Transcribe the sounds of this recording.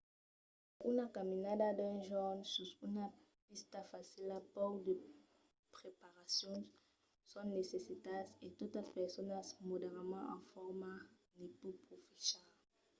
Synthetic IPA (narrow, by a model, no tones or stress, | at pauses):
unakamĩnadad̪ɛ̃ʒɔnsuzuna | pist̪afasilapowd̪e | pʁepaʁasjɔ̃nsː | ɔ̃nesesit̪aset̪ot̪aspɛʁsonasmodeʁamãã̰fɔʁma | nipupʁofisal